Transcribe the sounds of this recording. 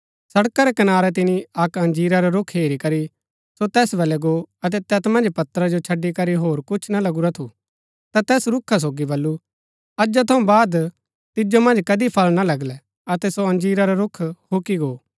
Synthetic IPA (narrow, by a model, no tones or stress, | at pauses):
sɐɽkaɾɛkɐnaːɾɛt̪̬ɪniɐkɐ̃nd͡ʒiːɾaɾaɾʊkʰɦeːɾikɐɾi | sot̪ɛːsbɐlɛɡoɐt̪̬ɛt̪ɛːt̪mɐ̃nd͡ʒpɐt̪əɾad͡ʒot͡ʃʰɐɖːikɐɾiɦoːɾkʊt͡ʃʰnalɐɡuɾat̪ʰu | t̪at̪ɛːsɾʊkʰːas̬oːɡibɐlːu | tɐd͡ʒat̪ʰɐũbaːd̪ | t̪ɪd͡ʒomɐ̃nd͡ʒkɐd̪ipʰɐlnalɐɡlɛ | ɐt̪ɛsoɐ̃nd͡ʒiːɾaɾaɾʊkʰhokiɡoː